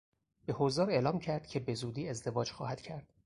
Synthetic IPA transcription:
b̥e̞hozɒːɾe̞lɒːmcʰæɾd̪̥cʰe̞be̞zuːd̪iːe̞zd̪e̞vɒːd͡ʒxɒːhæd̪̥cʰæɾd̪̥

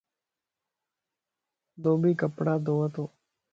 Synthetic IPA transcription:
d̪oːbiːkəpɽaːd̪oːʋət̪oː

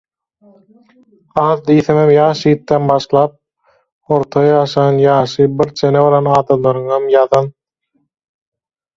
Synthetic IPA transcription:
ɑːðd̪iːθemhemjɑːʃiːt̪ːenbɑʃlˠɑːp̚ | o̞ɾt̪ʰɑjɑːʃɑnjɑːʃɯbiɾt͡ʃʰeneβoɾɑnɑːd̪ɑmlˠɑɾɯŋhɑmjɑðɑn

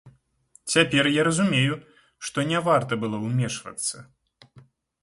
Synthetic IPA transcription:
t͡sʲapʲɛrjaɾɐzumʲeju | ʂt̪ɔnʲɛvart̪ɐbɨlˠɔwmʲɛʂvɐ̰t̪sːɐ

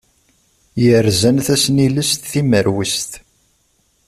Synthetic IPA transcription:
jəɾzænθæsniləst̪θiməɾwist̪

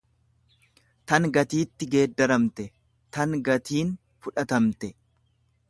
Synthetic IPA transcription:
t̪ɐŋɡɐt̪iːt̪ːɪɡe̞ːd̪ːɐɾɐmt̪ɛ | t̪ɐŋɡɐt̪iːn | fʊᶑɐt̪ɐmt̪ɛ

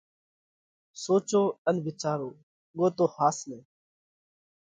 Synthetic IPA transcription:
soːt͡ʃoːənʋɪt͡ʃaːɾoː | ɠoːt̪oːhaːsneː

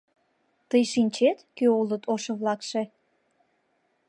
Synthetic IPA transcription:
t̪əjʃinʲt͡ɕet̪køolət̪oʃəβlɑkʃe

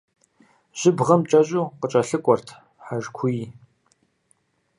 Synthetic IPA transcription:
ʒ̥ɪbʁɐmt͡ʃʼɐʑʼuːqət͡ʃʼɐɬɨkʷʼɔrtʰ | ħaʒkʷʰʊji

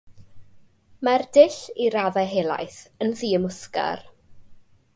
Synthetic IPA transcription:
mardɪɬiɾaðaɦeːlˠa̰jθənðiːəmʊska̰r

